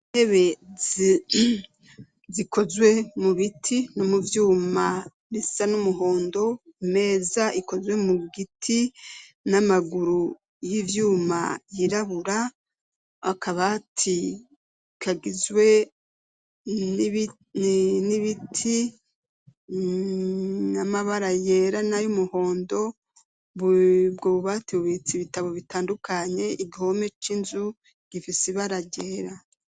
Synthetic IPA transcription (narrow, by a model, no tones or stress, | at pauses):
nhe̞βe̞ | ziko̞zwe̞muβitʰino̞muvjuːma | βisanumuɦo̞ːndo̞ime̞ːzaʔiko̞zwe̞muɡitʰi | namaɡuɾu | jivjuːma̰jiɾaβuɾa | akaβaːtʰi | kʰaɡizwe̞ | niβitʰi | namaβaɾajeːɾanajumuho̞ːndo̞ | βbɡoβuβatiβuβit͡siβitaβo̞βitaːndukaɲe̞ʔiɡihome̞t͡ʃinzu | ɡ̥ifisiβaɾaɟe̞ːɾa